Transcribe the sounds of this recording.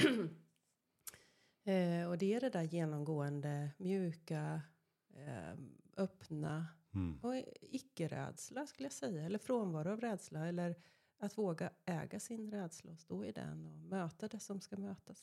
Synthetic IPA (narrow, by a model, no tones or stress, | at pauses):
ɔd̪ɛæɖɛd̪æɾjeːnɔmɡoːənd̪əmjʉ̟ːka | ʔœpna̰ | ɔɪkːəɾɛ̰ːd̪slaskɵləjasɛjːaɛlːəɾfɾoːnvɑːɾʊavɾɛːd̪slaɛlːəɾ | at̪voːɡaɛ̰ːɡasɪnɾɛːd̪slaɔst̪oːɪd̪ɛ̰nɔmøːt̪ad̪ɛsɔmskamøːt̪as